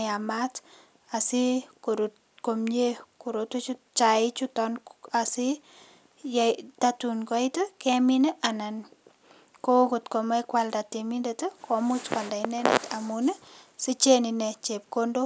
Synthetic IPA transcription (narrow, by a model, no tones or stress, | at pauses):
amat | asikoɾut | komɲekuɾotut͡ʃut͡ʃaɪt͡ʃutɔnasi | jtatunkɔɪtəkɛminəʔanan | kokotkomakwaldatemindetəkʰomʊt͡ʃkwaldainɛnɛ̰tamunəsit͡ʃeninɛt͡ʃep̚kondo